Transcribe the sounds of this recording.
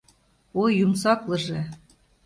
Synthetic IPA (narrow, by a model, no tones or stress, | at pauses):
ojːumsɑklɤ̆ʒĕ